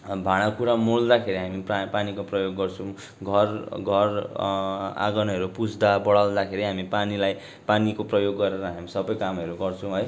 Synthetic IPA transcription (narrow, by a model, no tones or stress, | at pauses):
bʱaɽ̃akuɾamold̪akʰeɾiɦamippanikoprʌjoɡːʌrt͡sʰũ | ɡʱʌrɡʱʌr | a̰ɡʌnʌɦʌɾupud͡zʱd̪abʌɽald̪akʰeɾiɦamipanilaj | panikoprʌjoɡːʌɾeɾʌɦamisʌbʌjkamʌɾuɡʌrt͡sʰũɦʌj